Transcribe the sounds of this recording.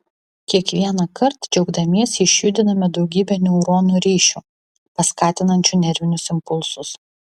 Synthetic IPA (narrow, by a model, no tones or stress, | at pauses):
kʲiɛkʋʲiɛnɐkɐɾt̪d͡ʒʲɛʊɡd̪ɐmʲiɛsʲɪʃʲjʊd̪ʲɪnɐmʲɛd̪ɒʊɡʲiːbʲɛnʲɛʊɾoːnuːɾʲiːʃʲuː | pɐskɑːt̪ʲɪnɐnʲt͡ʃʲuˑnʲɛɾʲʋʲɪnʲʊsɪmpʊlˠsʊs